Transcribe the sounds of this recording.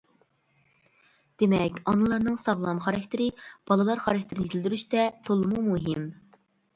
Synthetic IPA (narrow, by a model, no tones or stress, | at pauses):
d̪̥emɛkʲɑnɨlˠɑɾnɨŋsɑʁlˠɑmχɑɾɛk̚ʲt̪ʰɪɾɪb̥ɑlˠɨlˠɑɾχɑɾɛk̚ʲt̪ʰɪɾɪnɪjet̪ʰɪld̪yɾyʃt̪ɛt̪ʰolˠɨmumuɦɪm